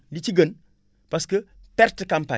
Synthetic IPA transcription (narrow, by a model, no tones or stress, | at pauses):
dit͡ʃiɡən | paskə | pɛɾtəkampa̰